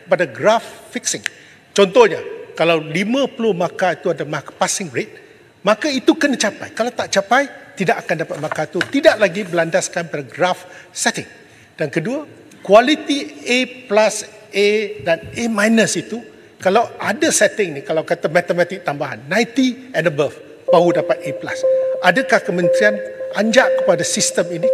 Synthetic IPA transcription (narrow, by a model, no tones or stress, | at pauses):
əpadaɡɾafːiksɪŋ | t͡ʃɔnt̪ɔhɲakalawlimə̃pəlʊhmãkait̪uadamakpasɪŋɹet̪̚ | mãkait̪ukənat͡ʃapa̰jkalawt̪aʔt͡ʃapajt̪idaʔakandapat̪̚mãkait̪ut̪idaʔlaɡibəlandaskanpadaɡɾafsɛt̪ɪŋ | d̥ankədua | kwalit̪ieplas | edanemãjnəsit̪u | kalawʔadəsɛt̪ɪŋnikalawkat̪amat̪əmɛ̃t̪ɪk̚t̪ambaɦa̰nːãjt̪i | ɛ̃ndəbəf | baudapat̪̚eplasadakahkəmə̃nt̪ɾianʔaɲd͡ʒaʔkəpadasist̪əmini